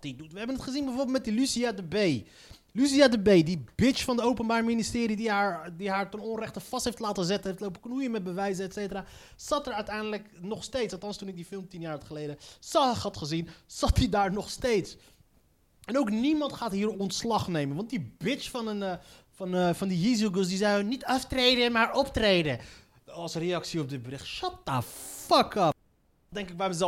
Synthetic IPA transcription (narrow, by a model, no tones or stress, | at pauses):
tidutʋəɦɛbənətχəzinbɛjvʊːbɪlˠmɛt̚dilysiadəbej | lys̬iadəbejdibɪt͡ʃfɑndəowpənbaːɹministɪːɾidiaːɹdiɦaːɹtənɔnrɛχtəfɑstɦejftlaːtəzɛtənɦejftlowpəknujənmɛd̚bəʋɛjzəɛtsejtəraː | z̥ɑtɛɹœɥtɛjndələknɔχstejtsɑtɑnstunɪk̚difɪlˠmtinjaːɹχəlejdəsɑχɑtχəzinsɑtidaːɹnɔχstejts | ɛnowknimɑntχaːtɦiːɾɔntslɑχnejmənʋɑnt̚dibɪt͡ʃfɑnən | fɑnfɑndijizuɡəs̬dizɛjnitɑftrejdənmaːɹɔptrejdə | ɑlˠsrejɑksiɔp̚dɪt̚bəɾɪχtʃɑt̚ːafɑkɑ | dɛŋkɪk̚bɛjməzɛ